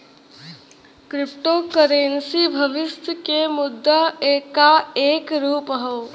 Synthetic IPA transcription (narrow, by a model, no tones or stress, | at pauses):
kɾɪpʈokəɾeːnsibʱəʋɪst̪ʰəkemʊd̪ʱːəeːkaeːkɾuːpɦo